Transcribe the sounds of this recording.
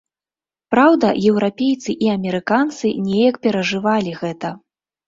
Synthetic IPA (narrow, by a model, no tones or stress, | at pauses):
pɾawd̪ɐjɛwɾapʲejt̪sɨʔiɐmʲɛɾɨkant̪sɨnʲɛjɐkpʲɛɾɐʐɨvalʲiɣɛt̪ɐ